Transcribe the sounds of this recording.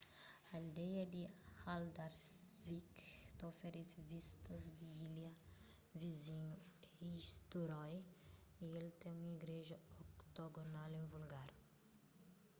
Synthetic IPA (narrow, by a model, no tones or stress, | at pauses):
ald̪ɛjɐd̪ihald̪aɾsvikt̪afeɾisvist̪ɐzd̪iiljɐ | vizĩɲuhist̪uɾɔj | ielt̪ẽũmɐiɡɾeʒɐokt̪oɡonalẽvulɡaɾ